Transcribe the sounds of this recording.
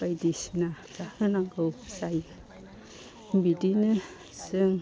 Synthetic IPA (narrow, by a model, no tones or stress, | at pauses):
bajdisnatahɯnaŋɡɯwsaj | bidinɯ | sɯŋ